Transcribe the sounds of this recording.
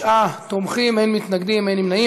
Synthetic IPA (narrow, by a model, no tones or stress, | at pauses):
ʔat̪omχimejnmit̪naɡd̪imejnimnai